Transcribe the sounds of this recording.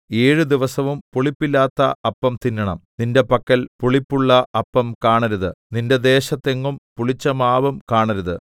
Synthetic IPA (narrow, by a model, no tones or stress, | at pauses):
eːɻɨd̪iʋɐsɐʋumpuɭipːilːaːt̪ːɐɐpːɐmt̪inːɐɳɐmninde̞pɐkːɐlpuɭipːuɭːɐɐpːɐmkaːɳɐɾuðɨninde̞d̪e̞ːɕɐt̪ːe̞ŋːumpuɭit͡ɕːɐmaːbɐmkaːɳɐɾuðɨ